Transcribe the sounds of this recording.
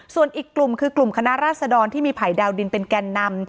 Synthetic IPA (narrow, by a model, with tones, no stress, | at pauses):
su˨˩ənʔiː˨˩kːlu˨˩mkʰɯː˧klu˨˩mkʰa˧na˦˥ʔɾaː˥˩t̪̚sa˧dɔː˧nt̪ʰiː˥˩miː˧pʰaː˨˩˦jdɛː˧wdi˧npe˧nkɛː˧nːa˧m